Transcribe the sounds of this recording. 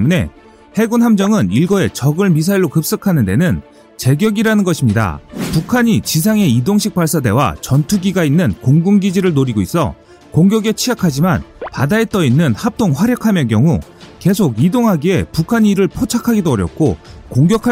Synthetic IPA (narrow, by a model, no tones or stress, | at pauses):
mune̞̰ | he̞ɡunɦamd͡ʑʌŋɯniɭɡʌe̞t͡ɕʌɡɯɭmisʰaiɭːokɯp̚s͈ɯkʰanɯnde̞nɯn | t͡ɕe̞ɡjʌɡiɾanɯnɡʌɕʰimɲida̰pukʰaɲit͡ɕis̬ʰaŋe̞idoŋɕʰik̚p͈aɭs͈ade̞̰wa̰t͡ɕʌntʰuɡiɡainːɯnkoŋɡuŋɡid͡ʑiɾɯɭnoɾiɡois͈ʌ̰ | koŋɡjʌɡe̞t͡ɕʰiakʰad͡ʑimanpadaet͈ʌinːɯnhap̚t͈oŋɸwaɾjʌkʰamjʌk̬jʌŋuke̞sʰoɡidoŋɦaɡie̞pukʰaɲiɾɯɭpʰot͡ɕʰakʰaɡidoʌɾjʌk̚k͈okoŋɡjʌkʰa